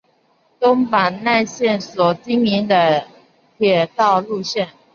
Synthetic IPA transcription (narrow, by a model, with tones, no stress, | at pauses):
t̪ʊ˥ŋpa˨˩nna˥˧ɪɕjɛ˥˩nswɔ˨˩t͡ɕi˥ŋmi˧˥ŋd̪ə˨ | t̪ʰjɛ˨˩t̪ɑ˥˧ʊlu˥˧ɕjɛ˥˩n